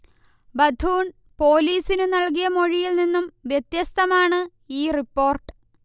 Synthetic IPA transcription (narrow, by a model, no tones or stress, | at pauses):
bɐd̪ʱuːɳ | po̞ːliːsinɨnɐɭkijɐmo̞ɻijilninːumʋjet̪jɐst̪ʰɐmaːɳɨ | iːripːo̞ːrʈɨ̥